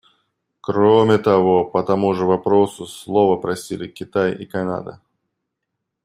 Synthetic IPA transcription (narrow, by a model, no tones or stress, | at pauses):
kɾomʲɪt̪ɐvopət̪ɐmuʐɨvɐpɾosʊslˠovəpɾɐsʲilʲɪkʲɪt̪ajḭkɐna̰d̪ə̰